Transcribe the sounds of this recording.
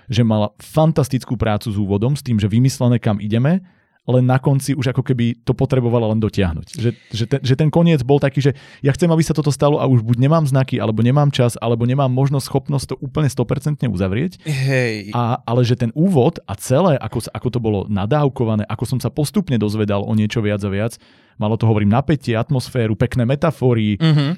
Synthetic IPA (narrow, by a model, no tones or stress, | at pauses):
ʒɛmalafant̪ast̪it͡skuːpɾʔaːt͡suzuːʋɔd̪ɔmst̪iːmʒɛʋimislɛnɛːkamʔiɟɛmɛ | lɛnːakɔnt͡siuʒakɔkɛbit̪ɔpɔt̪ɾɛbɔʋalalɛnd̪ɔcɪaɦnṵcʒɛʒɛt̪ɛʒɛt̪ɛnkɔɲɪɛd͡zbɔlt̪akiːʒɛjaxt͡sɛmabisat̪ɔt̪ɔst̪alɔʔauʒbuɟɲɛmaːmznakiʔa̰lɛbɔɲɛmaːmt͡ʃaza̰lɛbɔɲɛmaːmːɔʒnɔsxɔpnɔsc̚ʲt̪ːɔʔuːpl̩ɲɛst̪ɔpɛɾt͡sɛnt̪ɲɛṵzaʋɾɪɛcɦɛjaalɛʒɛt̪ɛnuːʋɔt̪at͡sɛlɛːʔakɔsʔakɔt̪ɔbɔlɔ̰nad̪aːʊkɔʋanɛːʔakɔsɔmsapɔst̪upɲɛd̪ɔzʋɛd̪alʔɔ̰ɲɪɛt͡ʃɔʋɪad͡zaʋɪat͡s | malɔt̪ɔɦɔʋɔɾiːmnapɛcɪɛat̪mɔsfɛːɾupɛknɛːmɛt̪afɔːɾiɦ̩